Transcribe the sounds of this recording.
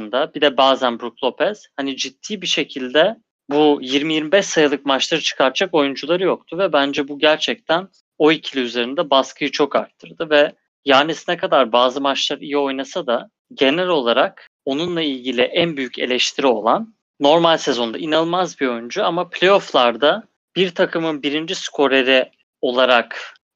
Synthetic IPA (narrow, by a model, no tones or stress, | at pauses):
ɯnd̪abid̪ɛbaːzænbɾuklˠo̞pʰɛz̥hanid͡ʒit̪ʰːiːbiʃe̞cʰilʲd̪ɛ | bujiɾmijiɾmibɛʃsajɯlˠɯk̚mat͡ʃlˠaɾɯt͡ʃʰɯ̥kʰaɾt̪d͡ʒako̞jund͡ʒulˠaɾɯjo̞kt̪ʰuvɛbænd͡ʒɛbuɟæɾt͡ʃʰɛc̚t̪ʰæn | o̞jicʰilʲiyze̞ɾind̪ɛbaskʰɯjɯt͡ʃʰo̞ka̰ɾt̪ʰːɯɾd̪ɯvɛ | jaɾnisinɛkʰad̪aɾbaːzɯmat͡ʃlˠaɾijio̞jnasad̪a | ɟe̞nælʲo̞lˠaɾak̚ | o̞nunlˠailʲɟilʲiʔænbyjycʰe̞̰lʲɛʃt̪ʰiɾio̞lˠanː | o̞ɾmalʲse̞zo̞nd̪ainalˠmazbio̞jund͡ʒuamapʰʲlʲe̞jo̞flˠaɾd̪a | b̥iɾt̪ʰakʰɯmɯnbiɾind͡ʒiskʰo̞ɾeɾi | o̞lˠaɾak